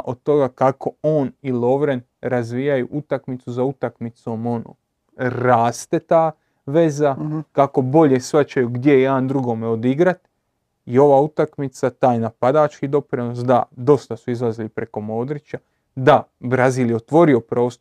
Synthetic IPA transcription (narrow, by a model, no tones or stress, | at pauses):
ʔo̞d̪t̪o̞ɡakako̞o̞ːnilˠo̞ʋɾen | ɾazʋiːjajuʔut̪akmit̪suzaut̪akmit̪so̞ːmo̞no̰ː | ɾaːst̪e̞t̪aː | ʋe̞zakako̞bo̞ʎe̞sʋat͡ʃajuɡd̪je̞aːnd̪ɾuɡo̞meo̞d̪iɡɾat̪ | io̞ʋaːut̪akmit̪sat̪aːjnapad̪aːt͡ʃkid̪o̞pɾino̞sd̪a̰d̪o̞st̪asuizlˠazilipɾeko̞mo̞ːd̪ɾit͡ʃa | d̪abɾaziːljeot̪ʋo̞ɾio̞pɾo̞ːst̪o